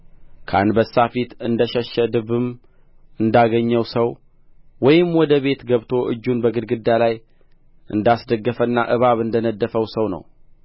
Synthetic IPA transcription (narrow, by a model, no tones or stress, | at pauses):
kʰa̰nbəsːafit̪ɨnd̪əʃəʃəd̪ɨβɨm | ɨnd̪aɡəɲːəwsəw | wɔjɪmwɔd̪əβe̞t̪ɡəβt̪ʰo̞ʔɨ̰d͡ʒːunbəɡɨd̪ɡɨd̪alaj | ʔɨnd̪asd̪əɡːəfənːa̰ʔɨβaβɨnd̪ənəd̪ːəfəwsəwnə̰w